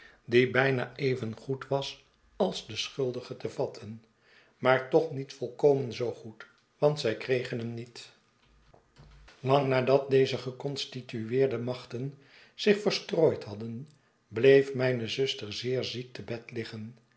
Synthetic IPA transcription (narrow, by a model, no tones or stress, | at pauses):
dibɛjnaːʔejvənχutʋɑs | ɑlˠzdəsχɵlˠdəχətəvɑtʰən | maːɹtɔχnitfɔlˠkowmənzowχut | ʋɑntsɛjkrejχənɦəmnit | lɑŋnaːdɑt̚dejzəχəkɔnstityɪːɹdəmɑχtən | z̥ɪχfəɹstroːjtɦɑdən | blejfmɛjnəzʏstəɹzɪːɹzik̚təbɛtlɪχən